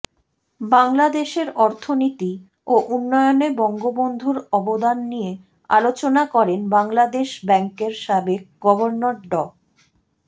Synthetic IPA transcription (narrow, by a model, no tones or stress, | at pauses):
baŋlad̪eʃeɾɔɾt̪ʰonit̪i | oʔunːɔeonebɔŋɡobond̪ʱuɾɔbod̪anːije | a̰lot͡ɕonakɔɾenbaŋlad̪eʃbɛŋkeɾʃabek̚ɡɔboɾnoɾɖɔ